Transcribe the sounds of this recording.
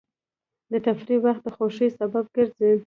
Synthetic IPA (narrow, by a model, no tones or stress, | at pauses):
d̪ət̪afɾiwaxt̪̚d̪əxoʃisabab̚ɡ̥əɾzi